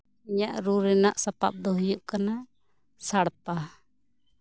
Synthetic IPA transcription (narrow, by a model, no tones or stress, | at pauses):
iɲaʔɾuɾɛnaʔsapap̚d̪ɔɦɔjuʔkana | saɽpa